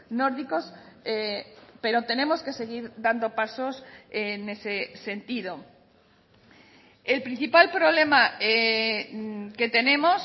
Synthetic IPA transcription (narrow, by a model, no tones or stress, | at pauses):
no̞ɾðiko̞s | epe̞ɾo̞t̪e̞nẽ̞mo̞ske̞se̞ɣ̞iɾðand̪o̞paso̞sene̞sese̞nt̪ið̞o̞ | elpɾin̟θipalpɾo̞β̞le̞mae | ke̞t̪e̞nẽ̞mo̞s